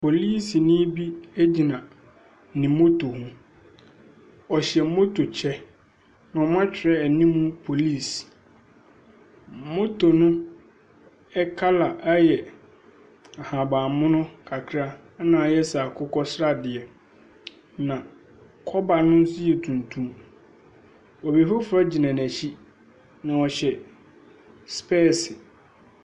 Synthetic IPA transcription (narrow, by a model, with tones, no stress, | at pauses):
pʰo˨liː˦si˨nĩː˦bi˦e˦d͡ʑi˨nã˨ | nɪ̃˨˦mo˦tʰo˨hũ˦ | ɔ˨ɕɛ˨˦mo˦tʰo˨t͡ɕʰɛ˦ | nã˨ɔ˨mã˦t͡ɕᶣʰɪ˨ɾɛ˦˨nĩ˦mũ˦pʰo˨liː˦˨s | mo˦tʰo˨nʊ̃˦ | ɛ˦kʰa˦la˨ʔa˦jɛ˨ | a˨ha˨bã˨mʊ̃˦nʊ̃˦kʰa˨kʰɾa˦ | nãː˨jɛ˦sa˨kʰʊ˦kɔ˦sɾa˦dɪ˨ɛ˨ | nã˨ | kʰɔ˦ba˨nʊ̃˦n̩˦sʊ˦jɛ˨tʰũ˨n˨tʰũ˦m | ɔ˨bi˨fʊ˦fɾa˦d͡ʑi˨nã˨næ˨ɕi˦ | nã˨ɔ˨ɕɛ˨ | spʰɛː˦˨sɪ˨